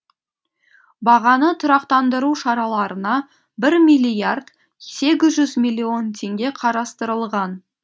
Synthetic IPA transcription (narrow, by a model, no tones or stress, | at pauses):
bɑʁɑnət̪ʰʊɾɑqt̪ɑnd̪əɾuʃɑɾɑlˠɑɾənɑ | bɪɾmijlʲijard̪ | se̞ɡʲɪzʒʏzmijlʲːio̞nt̪ʲʰe̞ŋɡʲe̞qʰɑɾɑst̪əɾəlˠʁɑn